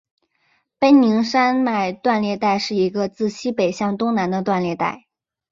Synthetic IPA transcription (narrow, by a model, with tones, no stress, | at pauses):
pə˥nni˧˥ŋʂa˥nma˥˩ɪt̪wa˥˧nljɛ˥˧t̪a˥˧ɪʂɻ̩˥˩i˧˥ɡə˧t͡sɹ̩˥˩ɕi˥pe˨˩ɪɕjɑ˥˩ŋt̪ʊ˥ŋna˧˥nd̪ə˧t̪wa˥˧nljɛ˥˧t̪a̰˥˩ɪ